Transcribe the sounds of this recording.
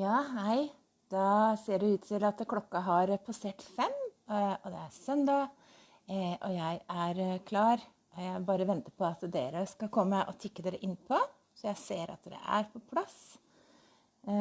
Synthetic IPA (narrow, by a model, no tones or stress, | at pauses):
jɑːɦæɪ | d̪̥ɑseːɖɛʉːt̪t̪ʰɪlɑt̪kʰlɔkːɑɦɑɾpʰɑseːʈfɛmɔd̪ɛæɾsœnd̪ɑ | ʔɔjæɪæɾkʰlɑːɾ | ɔjæɪbɑːɾəʋɛnt̪əɾpʰɔɑt̪d̪eːɾəskɑlkʰɔmːəʔɔt̪ʰɪkːəd̪eːɾəʔɪnːpʰɔ | sɔjæɪseːɾɑ̰t̪̚d̪ɛ̰ʔæ̰ɾpʰɔpʰlɑs